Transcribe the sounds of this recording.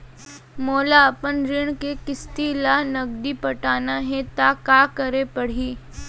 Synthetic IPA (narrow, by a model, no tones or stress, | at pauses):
moːlaɐpənɾɪɽ̃kekɪst̪ilanɐɡ̚d̪ipɐʈaːnaɦɛt̪akaːkɐɾepɐɽ̤iː